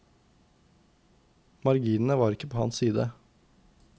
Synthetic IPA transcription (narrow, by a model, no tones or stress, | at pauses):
mɑɾɡiːnn̩əʋɑːɾɪkəpʰoːhɑ̰nssiːd̪ə